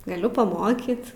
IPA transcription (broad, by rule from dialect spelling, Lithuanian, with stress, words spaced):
ɡɐˈlʲʊ pɐˈmoːkʲiːt